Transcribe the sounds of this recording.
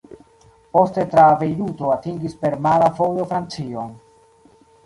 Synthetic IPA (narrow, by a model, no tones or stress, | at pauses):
po̞ste̞tɾave̞jɾuto̞atiŋɡispe̞ɾmalafojo̞fɾant͡sio